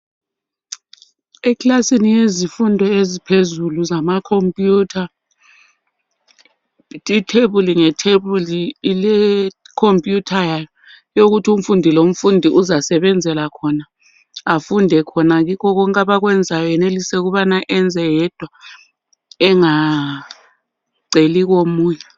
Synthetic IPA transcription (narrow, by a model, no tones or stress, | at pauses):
ɛkʰʼlasinijezifundʱɔezipʰezuluzamakʰompʼjuːtʰa | tʼitʰeɓuliŋɛtʰeβulilɛ | kʰompʼjutʰajajɔ | jok̬utʰum̩fundʱilom̩fundʱiʔuzasɛɓɛnd͡zʱɛlakʰɔnaː | fundʱɛkʰɔnak̬ikʰɔk̬ɔŋkʼaɓak̬wɛnd͡zʱajɔjɛnelisɛuk̬uɓanaʔɛnd͡zʱɛjɛd̥ʱwa | ɛŋa | ǀelik̬omuːɲɛ